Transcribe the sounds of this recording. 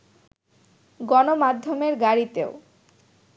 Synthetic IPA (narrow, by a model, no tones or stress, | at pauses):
ɡɔnomad̪ʱːomeɾɡaɾit̪eo